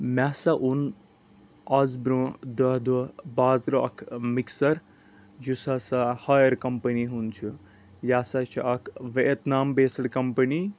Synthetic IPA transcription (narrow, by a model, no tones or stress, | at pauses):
masɐʔun | ɐzbɾõd̪ɐɦd̪ubaːzɾoɐ̰kʰmiksɐɾ | d͡ʒusasahaːjɐɾkɐmpəniɦunt͡ʃʰu | jaːsɐt͡ʃʰiʔɐkʰʋet̪naːmbeːsɐɽkɐmpɐni